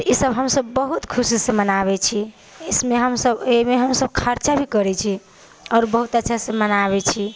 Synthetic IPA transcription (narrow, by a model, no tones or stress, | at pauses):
isəbɦəmsəbːəɦut̪kʰusisə̃mənaβɛt͡ʃʰi | esmeɦəmsəbemeɦəmsəbkʰaɾt͡ʃabʱikəɾɛt͡ʃʰi | ɔɾbəɦut̪ətːʃʰasə̃mənaβɛt͡ʃʰi